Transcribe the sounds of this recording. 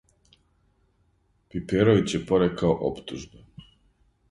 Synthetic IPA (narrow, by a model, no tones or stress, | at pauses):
pipeɾoʋit͡ɕsje̞poɾekaoʔo̰pt̪uʒbe